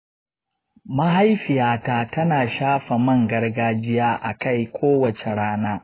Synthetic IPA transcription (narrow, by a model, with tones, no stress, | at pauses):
mɐ˦ɦa˦jɸɪ˨jaː˨˦taː˨tɐ˦naː˨ʃaː˦ɸɐ˨mɐ˦˨ŋɡɐ˦rɡaː˦d͡ʒɪ˦jaː˦ʔa˨ka˦˨jkʷʰoː˦wɐ˨t͡ʃe˨ɽaː˦naː˦